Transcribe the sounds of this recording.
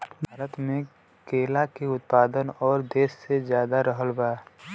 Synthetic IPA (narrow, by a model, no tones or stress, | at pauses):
bʱaːɾət̪mẽ | keːlakeʊt̪̚paːd̪ənɔːɾd̪eːssezjaːd̪aɾəɦəlbaː